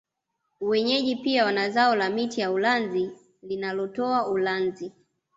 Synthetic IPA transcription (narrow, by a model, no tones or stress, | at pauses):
wɛɲɛʄipiawanazaɔlamitijaulanzi | linalɔtɔaulanzi